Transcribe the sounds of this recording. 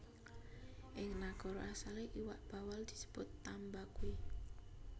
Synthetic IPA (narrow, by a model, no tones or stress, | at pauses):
ʔɪŋnaɡ̥ɔ̤ɾɔ̰ʔasaleʔiwaʔb̥ä̤wald̪̥i̤̥sə̥b̥ʊt̪ːambakui